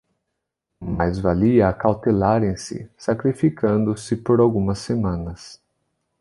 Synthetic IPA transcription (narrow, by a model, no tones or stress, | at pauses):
majzvaliɐkawt̪elaɾẽj̃sɪ̰sakɾifikʰɐ̃nd̪ʊsɪpoɾawɡũmɐsːemɐ̃nɐs